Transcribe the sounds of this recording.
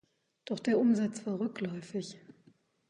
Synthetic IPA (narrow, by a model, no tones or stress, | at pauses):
d̥ɔχd̥eːɐʔʊmzat͡sv̥aːɐʁʏklɔʏfɪç